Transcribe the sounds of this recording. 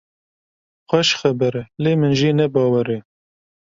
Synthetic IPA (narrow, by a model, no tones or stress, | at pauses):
xʷɛʃxɛbɛɾleːmɨnʒiːnɛbɑːwɛɾe